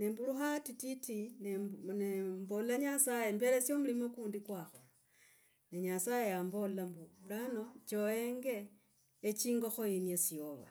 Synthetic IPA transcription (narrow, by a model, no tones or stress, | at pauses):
ne̞mbuluxatititinenembolaɲasajembeɾesjo̞mulimokuːndikwaxo | neɲasaje̞jambollambulano̞t͡ʃojeŋɡe̞ː | t͡ʃiːŋɡo̞xoinjesioβa̰